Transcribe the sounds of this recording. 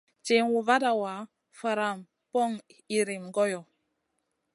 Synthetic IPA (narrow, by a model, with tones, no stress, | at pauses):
t͡ʃe˨ŋwu˨va˦da˦˨wa˨˦ | fə˨ɾa˦˨m | pɔ˦˨ŋi˨ɾi˨mɡɔ˦jɔ˨